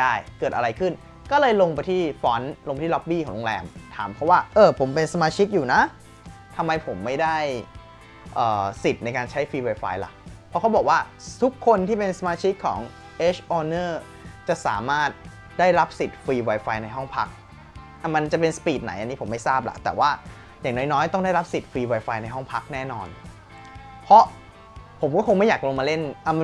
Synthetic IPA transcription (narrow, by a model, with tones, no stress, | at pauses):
daː˥˩jkɤː˨˩t̪̚ʔa˧ɾa˧jkʰɯ˥˩n | kɔː˥˩lɤː˧jlo˧ŋpa˧jt̪ʰiː˥˩fɔː˦˥nlo˧ŋpa˧jt̪ʰːlɔ˦˥p̚biː˥˩kɔː˩˦lo˧ŋlɛ̰ː˧mt̪ʰa̰ː˩˦mpʰɾɔ˦˥waː˥˩ʔɤː˧˩pʰo˩˦mpe˧nsa˧maː˧t͡ɕʰi˦˥k̪̚juː˨˩na˦˥ʔ | t̪ʰa˧mːa˧jpʰo˩˦mːa˥˩jdaː˥˩j | ʔəː˨˩si˨˩t̪̚na˧jkaː˧nt͡ɕʰa˦˥jfiː˧waː˧jfa̰ː˧jla̰˨˩pʰɔ˦˥kʰa˦˥wbɔː˨˩k̚waː˥˩t̪ʰu˦˥kʰːo˧nt̪ʰiː˥˩pe˧nsa˧maː˧t͡ɕʰi˦˥kkʰːɔ̰ː˩˦ŋ | ʔeː˦˥t͡ɕʰʔɔː˧nɤː˥˩ | t͡ɕa˨˩ʔsa̰ː˩˦maː˥˩t̪̚ | daː˥˩jɾa˦˥p̚si˨˩t̪̚fiː˧waː˧jfaː˧jna˧jɦɔ˥˩ŋpʰa˦˥k̚ | ʔa˧˩ma˧nt͡ɕa˨˩pe˧nsḁ˧piː˨˩t̪̚na̰˩˦jʔa˧nːiː˦˥pʰo˩˦mːa˥˩jsaː˥˩p̚la̰˧˦t̪ɛ̰ː˨˩waː˥˩ | jaː˨˩ŋnɔ˨˥jnɔː˦˥jt̪ɔ˥˩ŋda˥˩jɾa˦˥p̚si˨˩t̪̚fiː˧waː˧jfaː˧jna˧jɦɔ˥˩ŋpʰa˦˥k̚nɛː˥˩nɔː˧n | pʰɔ˦˥ | pʰo˨˩˦mkɔː˥˩kʰo˧ŋma˥˩jaː˨˩k̚ɾoː˧maː˧le˥˩nʔa˧˩m˧